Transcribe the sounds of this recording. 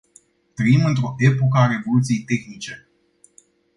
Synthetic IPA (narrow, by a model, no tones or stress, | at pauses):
t̪ɾəimɨnt̪ɾo̞ʔe̞po̞kəaɾe̞vo̞lut̪sije̞jt̪e̞xnit͡ʃe̞